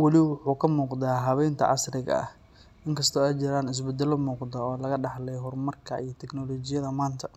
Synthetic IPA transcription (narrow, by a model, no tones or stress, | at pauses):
wɑlɪwʊħuːkʰɐmuːqd̪aːɦɐβɛjnt̪ʰɐ̰ʔɑ̰srɪɣɐ̰ɐ̰h | ʔɪŋkʰɐst̪ʰɔːajt͡ʃɪɾaːnɪs̬bɛd̪ɛlɔmuːqd̪ɐɔːlɐɣɐɖɑħlɛjɦɔrmɐrkʰɐ̰ḭjt̪ʰɛɡnɔlɔːt͡ʃɪjɐðɐmaːnt̪ʰɐ